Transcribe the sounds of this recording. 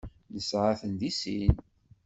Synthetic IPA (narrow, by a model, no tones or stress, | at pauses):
ləsʕaθənðisin